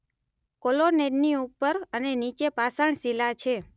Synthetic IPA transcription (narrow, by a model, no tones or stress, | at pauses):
koloneɖniupːəɾənenit͡ʃepasaɳ̃silat͡ʃʰe